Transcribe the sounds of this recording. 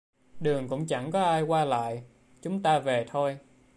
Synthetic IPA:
ɗɨ˨˩əŋkʊ̰˧˥ŋ͡mt͡ɕa˧˩ŋkɔ˨˦ʔaː˧jkwaː˧la̰ː˧˨j | t͡ɕʊ˨˦ŋ͡mt̪aː˧ve˨˩t̪ʰo˧j

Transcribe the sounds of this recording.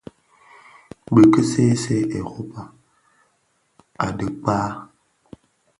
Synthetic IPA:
bə˨kə˦se˦se˦ʔe˨ɣo˦pa˨ | a̰˨də˨k͡paː˦

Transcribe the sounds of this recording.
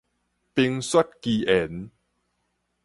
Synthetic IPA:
pi˧ŋsa˦t̚ki˧ʔe˨˩˦n

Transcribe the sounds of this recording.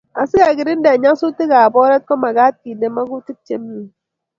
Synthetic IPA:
a˨sɨ˦ɣa˨ɡi˨ɾi˦n̩˦de˨a˨ɲa˦su˦tɨ˦ɣa˨a˨bɔ˦ɾe˦t̚kɔ˦ma˨ɡa˦ti˨ne˨ma˦ɡu˦tɨ˦t̚te˦m˦mi˦

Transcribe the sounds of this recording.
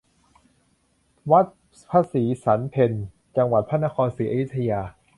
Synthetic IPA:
wa˦˥t̪̚ | pʰaː˧siː˩˦sa˩˦npʰe˧n | t͡ɕa˧ŋwa˨˩t̪̚pʰa˥˩na˦˥kʰɔː˧nsiː˩˦ʔa˧ju˦˥t̪ʰːa˧jaː˧

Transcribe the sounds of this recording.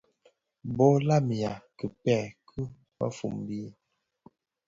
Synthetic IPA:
bɔ˦la˦mi˨a˨kə˨pɛ˦˨kʰɨ˦ | ba̰˦fṵ˨mbi˦

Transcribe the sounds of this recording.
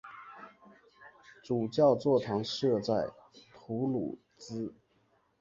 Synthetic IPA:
ʈ͡ʂu˨˩t͡ɕjɑ˥˧ʊt͡swɔ˥˩ʈ͡ʂʰɑ˧˥ŋʂɤ˥˧t͡sa˥˩ɪt̪ʰu˧˥lṵ˨˩ | t͡sɹ̩˥

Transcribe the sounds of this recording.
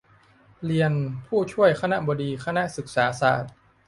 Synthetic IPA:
li˧ənpʰuː˥˩t͡ɕʰu˥˩əjkʰa˧na˦˥ʔbɔː˧diː˧kʰa˧na˦˥ʔsɯ˨˩k̚saː˩˦sa̰ː˨˩t̪̚

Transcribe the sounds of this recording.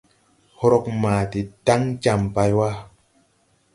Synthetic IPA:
ho˧ɾɔ˧k̚maː˨ti˨ta˦ŋt͡ʃa˧˨mpa˧jwa˦

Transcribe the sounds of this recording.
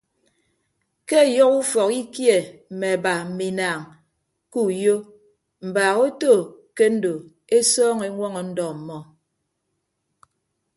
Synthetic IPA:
ke˦˨jɔ˦ku˦fɔ˨ki˦kje˨m̩˨mɛ˨ba˨m̩˨mi˨naː˨ŋ | ku˦jo˦ | m̩˨baː˨ɣo˦to˦˨ke˦n̩˦do˨ | e˦sɔː˦ŋe˨˦ŋwɔ˦ŋɔ˨n̩˦dɔ˨m̩˨mɔ˦

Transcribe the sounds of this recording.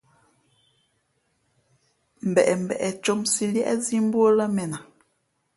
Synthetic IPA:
m̩˨bɛ˨ʔɛ˨m̩˨bɛ̰˨ʔɛ˨t͡ʃɔ˦msi˨ljɛ˦ʔɛ̰˦zi˦m˦bwo˦la˦mɛ˨na˨

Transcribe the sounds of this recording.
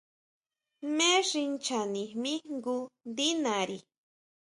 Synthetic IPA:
me˦ʐi˧nt͡ʃa˨ni˨mi˦ŋɡu˦nd̪i˦naɾi˨

